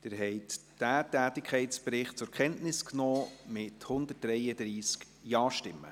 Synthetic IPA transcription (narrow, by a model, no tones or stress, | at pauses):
d̥ɪɾɦɛɪtd̥æːtæːtɪkʰχɛɪtspɾɪχt̚t͡sʊɾkʰχɛntnɪsknɔːmɪthʊnd̪ət̚ɾɛɪəd̥̪ɾiːsk | jɑːʃtɪmːə̰